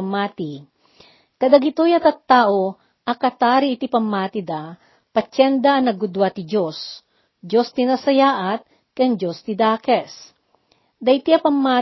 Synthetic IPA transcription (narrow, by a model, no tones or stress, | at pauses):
mːaːt̪i | kɐd̪aɡɪt̪ojɐt̪ɐt̪ːaːʔo | ʔɐkɐt̪aːɾiːt̪ipɐmːaːt̪id̪a | pɐt͡ʃɛnd̪ɐɐnɐɡʊd̪wat̪ɪd͡ʒos | d͡ʒost̪inɐsɐjaːʔɐt̪̚ | kɐŋd͡ʒost̪ɪd̪aːkɛs | d̪ɐt̪iɐpɐmːaː